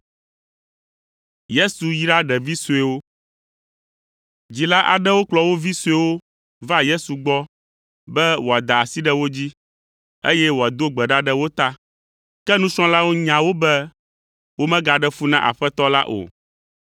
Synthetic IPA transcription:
je˦su˨ji˦ɖa˦ɖɛ˨vi˦su˨e˦wo˦ | d͡ʑi˨la˦ʔa̰˨ɖɛ˦wo˦k͡plɔ˨wo˦vi˦su˦ɛ˦wo˦ | va˦je˦su˨ɡ͡bɔ˦ | bɛ˦wo˨a˨d̪a˨a˨si˦ɖɛ˦wo˦d͡ʑi˦ | ḛ˦jɛ˦wo˨a˨d̪o˦ɡ͡bɛ˨ɖa˦ɖɛ˦wo˦t̪a˦ | kɛ˦nũ˦sɔ̃˦la˦wo˦ɲã˨wo˦bɛ˦ | wo˦mɛ̃˦ɡa˨ɖɛ˦fu˦nã̰˦ʔa̰˨ɸɛ˦t̪ɔ˦la̰˦ʔo̰˨

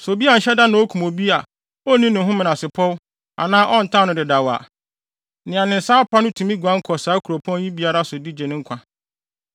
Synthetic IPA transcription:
so˨bi˦a˨n̩˨ɕɛ˦da˦nã˨˦ɔ˦kʰũ˨mo˨bi˦a˨ | ɔ˦nĩ˦nʊ̃˨ɦʊ̃˦mɪ̃˨nã˨sɪ˨pʰɔ˦w | a̰˨nãː˦ʔɔ˦n̩˨tʰã˦nʊ̃˨dɪ˨da˨wa̰˨ | nɪ̃˨a˨nɪ̃˨n̩˨saː˦pʰa˦nʊ̃˦tʰũ˨mĩ˦ɡʷã˦ŋ̩˦kʰɔ˨saː˨˦kʰu˨ɾo˨pʰɔ̃˦n˦jĩ˦bi˦a˦ɾa˦sʊ˨di˦d͡ʑɛ˨nɪ̃˦ŋ̩˦kʷʰa˨

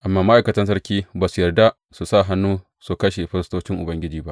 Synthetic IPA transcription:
ʔa˨mːaː˨ma˦ʔa˨kɐ˨tɐ˦ns̬ɐ˦rkʲiː˦baː˨su˨jɐ˨rda˦ | su˨sa˦˨ɦa˦nːuː˦ | su˨kɐ˦ʃe˨ɸɪ˦ɾɪ˦stoː˦t͡ʃɪ˦ŋʔʊ˨bɐ˦ŋɡʲɪ˦d͡ʒiː˨ba˦ʔ

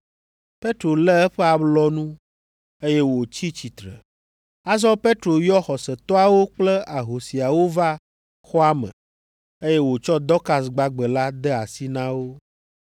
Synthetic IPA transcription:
pe˦t̪ɾo˨lɛ˦ɛ˦ɸɛ˦a˨blɔ˦nũ˦ | e˦jɛ˦wo˨t͡ɕi˦t͡ɕi˨t̪ɾɛ̰˨ | a˦zɔ˦pe˦t̪ɾo˨jɔ˦xɔ˨sɛ˨t̪ɔ˦a˨wo˦k͡plɛ˦a˨ɦo˨si˨a˨wo˦va˦ | xɔ˦a˦mə̰̃˨ | e˦jɛ˦wo˨t͡ʃɔ˦d̪ɔ˦ka˨s̬ɡ͡ba˦ɡ͡bə˨la˦d̪ɛ˦a˨si˦nã˦wo˦

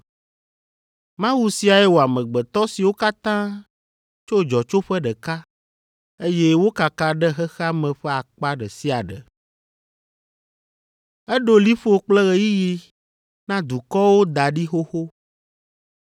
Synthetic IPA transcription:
mã˦wu˦si˦a˨jɛ˦wo˨a˨mɛ̃˨ɡ͡bɛ˨t̪ɔ˦si˨wo˦ka˦t̪ã˦ | t͡ʃo˦d͡ʒɔ˨t͡ʃo˦ɸɛ˦ɖɛ˨ka˦ | e˦je˦wo˦ka˨kã˨ɖɛ˦ɦɛ˦xa˦mɛ̃˨ɸɛ˦a˨k͡pa˦ɖɛ˨si˦a˨ɖɛ̰˨ | ɛ˦ɖo˦li˦ɸo˦k͡plɛ˦ɣɛ˦ji˦ji˦ | nã˦d̪u˨kɔ˦wo˦d̪a˨ɖi˦xo˦xo˦

